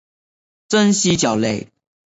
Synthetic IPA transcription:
t͡sə˥˦nɕi˦t͡ɕjɑ˨˩ʊle˥˩ɪ

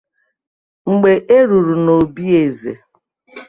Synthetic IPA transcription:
ŋ͡m̩˨ɡ͡be˨ʔe˦ɾu˨ɾu˨no˨bi˦e˨zḛ˨

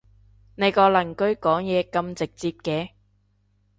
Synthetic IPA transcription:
ne˨˧jkɔː˧lɐ˨˩ŋkɵ˧˥ɥkɔː˨˥ŋjɛː˨˧kɐ˧mt͡sɪ˨k̚t͡siː˧p̚kɛː˧

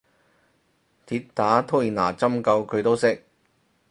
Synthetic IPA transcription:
t̪ʰiː˧tt̪aː˨˥t̪ʰo˥jiː˨˩na̰ː˨˩t͡sɐ˥mkɐ˧wkʰɵ˨˧ɥt̪o˥wsɪ˥k̚

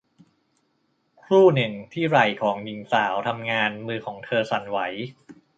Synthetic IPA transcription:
kʰɾuː˥˩nɯ˨˩ŋt̪ʰiː˥˩ɾa˨˩jkʰɔː˩˦ŋji˨˩˦ŋsaː˩˦wt̪ʰa˧mŋaː˧nmɯː˧kʰɔː˩˦ŋt̪ʰɤː˧sa˨˩˦nwa˩˦j

